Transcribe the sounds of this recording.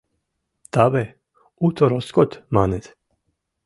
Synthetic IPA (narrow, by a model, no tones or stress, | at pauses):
t̪aβɛ | ut̪ɔɾɔskɔt̪manɛt̪